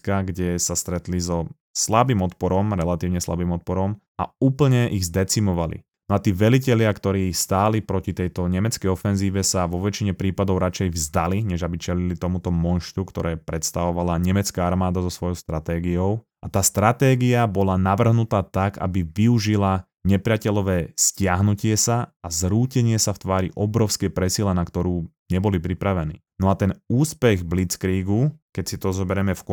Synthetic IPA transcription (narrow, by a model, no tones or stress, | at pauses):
kaɡɟɛsast̪ɾɛt̪lizɔ | slabiːmɔt̪̚pɔɾɔmɾɛlat̪iːʊɲɛsla̰bimɔt̪̚pɔɾɔm | ʔa̰uːpl̩ɲɛʔiɣzd̪ɛt͡simɔʋalḭ | nɔat̪iːʋɛlicɛlɪakt̪ɔɾiːst̪aːlipɾɔcit̪ɛjt̪ɔɲɛmɛt͡skɛjɔfɛnziːʋɛsaʋɔʋɛt͡ʃiɲɛpɾiːpad̪ɔʊɾat͡ʃɛjvzd̪aliɲɛʒabit͡ʃɛlilit̪ɔmut̪ɔmɔnʃt̪ukt̪ɔɾɛːpɾɛt̪st̪aʋɔʋalaɲɛmɛt͡skaːaɾmaːd̪azɔsʋɔjɔʊst̪ɾat̪ɛːɡiɔʊ | ʔat̪aːst̪ɾat̪ɛːɡiabɔlanaʋr̩ɦnut̪aːt̪aɡa̰biʋiuʒila | ɲɛpɾɪacɛʎɔʋɛːscɪaɦnucɪɛsaazɾuːcɛɲɪɛsaft̪ʋaːɾiʔɔbɾɔʊskɛpɾɛsilanakt̪ɔɾuː | ɲɛbɔlipɾipɾaʋɛnḭː | nɔat̪ɛnuːspɛɣblit͡skɾiːɡukɛcsit̪ɔzɔbɛɾɛmɛfk